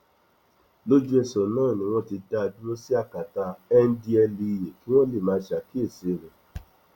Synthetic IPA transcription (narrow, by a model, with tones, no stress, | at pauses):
lo˦d͡ʒu˦ɛ˧sɔ˨nãː˦˨nĩ˧w̃ɔ̃˦ti˧da˦˧d͡ʒu˦o˦si˦a˦˨ka˨ta˧ɛ˦n̩˦di˧˦ɛ˧li˧˨je˨ki˦w̃ɔ̃˦le˨mãː˧˦˧ʃa˨ki˦e˦˨se˨ɾɛ̃˨